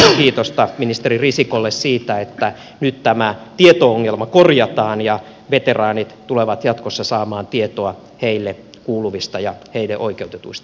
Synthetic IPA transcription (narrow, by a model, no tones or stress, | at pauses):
kiːt̪ost̪ɑminist̪eririsikolːessiːt̪æet̪ːæ | nyt̪t̪æmæt̪iet̪ooŋːelmɑkorjɑt̪ɑːnjɑ | ʋet̪erɑːnit̪t̪uleʋɑt̪jɑt̪kosːɑsɑːmɑːnt̪iet̪oɑ | heilːe | kuːluʋist̪ɑjɑheileʔoikeut̪et̪uist̪ɑ